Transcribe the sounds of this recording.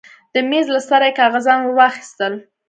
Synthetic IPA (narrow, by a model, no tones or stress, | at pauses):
d̪̥əmezlasaɾajekɑɣazɑnwəwɑxi̥st̪əl